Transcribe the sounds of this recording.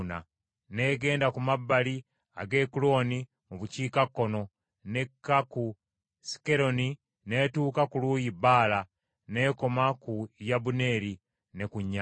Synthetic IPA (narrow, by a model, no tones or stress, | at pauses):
na̰ | ne̞ːɡe̞ːndakumabːali | a̰ɡe̞ːkulo̞ːni | muβuciːkakːo̞no̞ | ne̞kːaku | si̥ke̞ɾo̞ni | ne̞tuːkakuluːjibaːla | ne̞ːko̞makujabune̞ːɾi | ne̞kuɲːa